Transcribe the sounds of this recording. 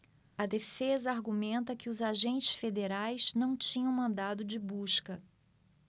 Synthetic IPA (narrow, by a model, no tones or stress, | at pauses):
ɐd̪efezɐaɾɡumẽnt̪ɐkɪʊzaʒẽnt͡ʃɪ̥sfed̪eɾajsnɐ̃w̃t͡ʃĩɲɐ̃w̃mɐ̃nd̪ad̪ʊd͡ʒɪbuʃkɐ